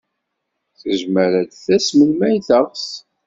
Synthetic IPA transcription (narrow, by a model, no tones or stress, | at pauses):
θəʒməɾæd̪θæsməlmæjθəʁs